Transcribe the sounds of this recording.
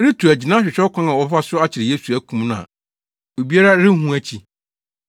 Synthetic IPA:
ɾɪ˦tʰu˨æ˨d͡ʑi˨nã˦ɕᶣɪ˨ɕᶣɛ˦kʷʰã˦nã˨wɔ˨˦fa˦sʊ˦a˦t͡ɕʰɪ˨ɾɪ˨je˦su˨æ˦kʰũ˨m˦nʊ̃˦ã̰˨ | o˨bi˦a˦ɾa˦ɾɪ˦ɦũ˦æ˦t͡ɕʰi˨

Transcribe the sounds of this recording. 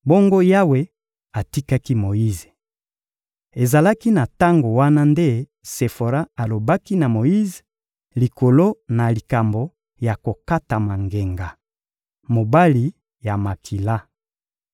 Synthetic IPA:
bo˦ŋɡo˦ja˦we˦ | a˨ti˦ka˦ki˦mo˨ji˦ze˨ | e˨za˨la˦ki˦na˨ta˦ŋɡo˨wa˦na˦nde˦ | se˨fo˨ɾa˦a˨lo˨ba˦ki˦na˨mo˨ji˦ze˨ | li˨ko˨lo˦na˨li˨ka˨mbo˨ | ja˨ko˨ka˦ta˨ma˨ŋɡe˨ŋɡa˨ | mo˨ba˦li˨˦ | ja˨ma˨kʰi˨la˦

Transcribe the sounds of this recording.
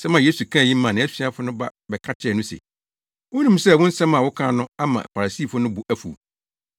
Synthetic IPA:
sɛ˦mã˨je˦su˨kʰã˦˨jĩ˦m̩ː˦ã˨nɪ̃˨˦æ˦si˦a˦fʊ˦nʊ̃˦ba˦bɛ˨kʰã˦tʰɪ˦ɛ˨nũ˦sḛ˨ | wʊ˦nũ˦msɛ˦˨wʊ̃˦n̩˦sɛ̃˦mã˨wʊ˦kʰãː˦nʊ̃˦a˦mã̰˨fa˨ɾa˨siː˦˨fʊ˦nʊ̃˦bʊ˨ʔæ˦fṵ˨

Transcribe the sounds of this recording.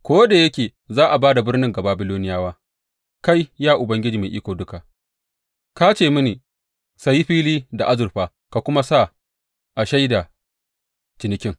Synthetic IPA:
kʷoː˦da˨jɐ˦kʲeː˨ | zaː˦ʔa˨baː˦da˨bɪ˦rnɪ˦ŋɡa˨baː˨bɪ˦loː˦nɪ˦jaː˦waː˦ | ka˦jjaː˦ʔʊ˨bɐ˦ŋɡʲɪ˦d͡ʒiː˨meː˨ʔi˦kʷoː˨dʊ˦ka˨ | ka˦t͡ʃeː˦˨mɪ˦niː˨ | sa˨jːi˦ɸiː˦liː˦da˨ʔa˦zʊ˨rɸaː˨ | ka˨kʷʊ˦ma˦sa˦˨ | ʔa˨ʃa˦jda˨ | t͡ʃɪ˨nɪ˨kʲɪ˦ŋ

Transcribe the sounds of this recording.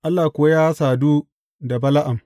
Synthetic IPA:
ʔa˦lːaː˨kʷʊ˦a˦jaː˦saː˨duː˦ | da˨bɐ˦la˦ʔa˨m

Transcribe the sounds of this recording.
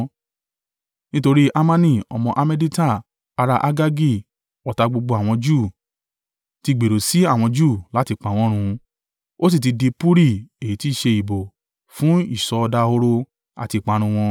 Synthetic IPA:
nĩ˦to˧ɾi˦ʔa˦mã˦nĩ˦˨ɔ̰˧mɔ̃˧ʔa˧me˦di˦ta˦˨ | a˧ɾa˧ʔa˦ɡa˦ɡi˦˨ | ɔ˨ta˧ɡ͡bo˧ɡ͡bo˧˦a˨w̃ɔ̃˧d͡ʒuː˦˨ | ti˧ɡ͡be˨ɾo˨si˨˦a˦˨w̃ɔ̃˧d͡ʒu˦˨la˨˦ti˧k͡pa˨w̃ɔ̃˦ɾ̃ũ˧ | o˦s̬i˦˨t̬i˧di˧pu˦ɾi˦e˨ji˨ti˦˨ʃe˧i˨bo˨ | fũ˨˦i˦˨sɔ˨˦˧da˧˦o˧ɾo˧ | a̰˨ti˧˨k͡pa˨˧ɾ̃ũ˧w̃ɔ̃˧

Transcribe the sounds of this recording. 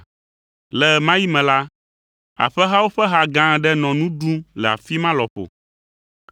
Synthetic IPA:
lɛ˨mã˦ji˦mɛ̃˨la˦ | a̰˨ɸɛ˦ɦa˦wo˦ɸɛ˦ɦa˨ɡã˦˨ɖɛ˦nɔ̃˨nũ˦dũ˦lɛ˨a̰˨fi˦mã˦lɔ˨ɸo̰˨

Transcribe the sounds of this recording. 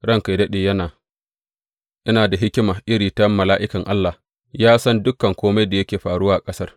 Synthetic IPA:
ɽɐ˦ŋka˨dɐ˦ɗeː˨jɐ˦naː˨ | ʔɐ˦naː˨da˨ɦɪ˦kʲɪ˦maː˨ʔɪ˦ɽiː˨tɐ˦mːɐ˨laː˦ʔɪ˦kɐ˨ŋʔa˦lːa˨ | jaː˦sɐ˦ndʊ˦kɐ˨ŋkʷoː˦ma˦jda˨jɐ˦kʲeː˨ɸaː˨ɽʊ˦waː˨ʔa˨kʼɐ˦sɐ˦r

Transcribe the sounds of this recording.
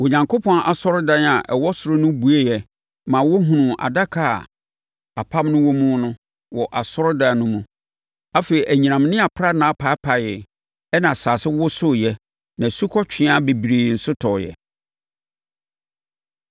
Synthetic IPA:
wo˨ɲã˨ŋkʰo˦pʰɔ̃˦na˨sɔ˦ɾʊ˦dã˦na˨ʔɛ˨wɔ˦sʊ˨ɾʊ˦nʊ̃˦bu˨e˦jɛ˨ | mã˨wʊ˦ɦũ˨nũ˨ʔa̰˨da˦kʰa̰˦˨ | a˨pʰa˦mnʊ̃˦wɔ˦mũ˦nʊ̃˦ | wɔ˨ʔa˨sɔ˦ɾda˨nʊ̃˦mũ˨˦ | a˦fe˨i˨ʔæ˨ɲĩ˨nã˨mnɪ̃˦a˨pʰɾa˦nã˨˦pʰa˨˦pʰa˨jɪ˨ | ɛ˦nã˨saː˨sɪ˦wʊ˦sʊ˦jɛ˦ | nã˨su˦kʰɔ˦t͡ɕᶣʰɪ̃˦a˦be˨bi˨ɾe˨n̩˨sʊ˦tʰɔ˨jɛ̰˨

